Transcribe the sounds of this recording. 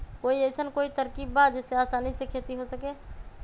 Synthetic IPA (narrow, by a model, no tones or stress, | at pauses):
koːieːsənkoːit̪əɾkiːbbaːt̪d͡ʒɛːseaːsaːniisekʰeːt̪iɦosəkeː